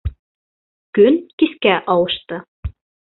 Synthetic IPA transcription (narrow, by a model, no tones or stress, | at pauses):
kɵnkiskæʔɑlˠɤ̆ʃt̪ɤ